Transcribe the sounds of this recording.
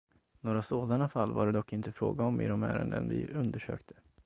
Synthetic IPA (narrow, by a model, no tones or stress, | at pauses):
noːɾasoːd̪anafalːvaɾɛd̪ɔkːɪnt̪əfɾoːɡaɔmɪd̪ɔmæːɾənd̪ənvɪ̰ɵnd̪əʂø̰ːkt̪ʰə̥